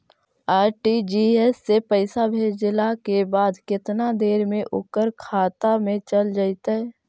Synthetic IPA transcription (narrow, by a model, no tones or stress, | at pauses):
aːɾʈid͡ʒiɛsːepəɪsabʱeːd͡ʒlakebaːd̪kɪt̪nad̪eːɾmẽʔʊkəɾkʰaːt̪amẽt͡ʃəld͡ʒaːɪt̪aɦɛː